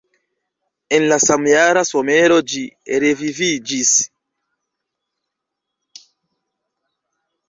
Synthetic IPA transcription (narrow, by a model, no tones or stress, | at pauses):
enlasamjaɾasome̞ɾo̞d͡ʒiɾevivid͡ʒis